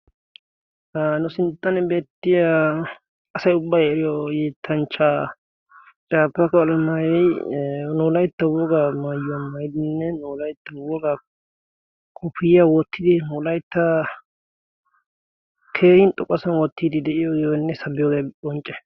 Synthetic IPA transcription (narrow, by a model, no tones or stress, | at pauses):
anʊsɪnt̪ːɐnɛbe̞ːt̪ːɪja | ɐsɐjʊbːɐjɛɾɪjɔjeːt̪ʰːɐnt͡ʃːaː | t͡ʃʼaːpːɐkɔlɐmaːjɛjnuːlɐjt̪ːɐwɔɡamaːjɐmɐjɪd̪ɪnːɛnuːlɐjt̪ːɐwɔɡa | kʰʼʊpɪjjawɔt̪ʰːɪd̪ɪnuːlɐjt̪ːɐ | kʰeːɾɪnt̪ʼɔkʼːɔsɐnwɔt̪ːiːd̪ɪd̪ɛʔɪjɔjonːɛsɐbɪjɔɡebɔnt͡ʃʼːɛ̥